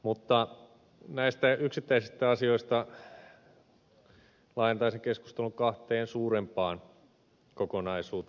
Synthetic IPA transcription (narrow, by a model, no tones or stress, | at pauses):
mut̪ːɑ | næist̪æyksit̪ːæisist̪æɑsioist̪ɑ | lɑint̪ɑiseŋkesku̥st̪eluŋkɑht̪eːnsuːɾempɑːn | kokonɑisuːt̪ː